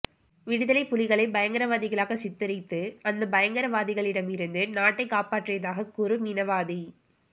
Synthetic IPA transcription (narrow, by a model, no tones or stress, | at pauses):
ʋɪɽɪðɐlɐɪpːʊlɪɣɐɭɐɪbɐjɐŋɡɐɾɐʋaːðɪɣɐɭaːɣɐsɪt̪ːɪɾɐɪt̪ːɯɐnd̪ɐbɐjɐŋɡɐɾɐʋaːðɪɣɐɭɪɽɐmɪɾɯnd̪ɯnaːʈːɐɪkːaːpaːʈrɪjɐðaːɣɐkʊɾɯnɪnɐʋaːði